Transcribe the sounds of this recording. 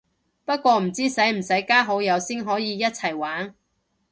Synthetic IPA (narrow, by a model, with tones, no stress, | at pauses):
pɐ˥t̚kʷɔː˧m̩˨˩t͡siː˥sɐ˨˥jm̩˨˩sɐ˨˥jkaː˥ɦo˨˥wjɐ˨˧wsiː˥nɦɔː˨˥jiː˨˧jɐ˥t̚t͡sʰɐ˨˩jwaː˨˥n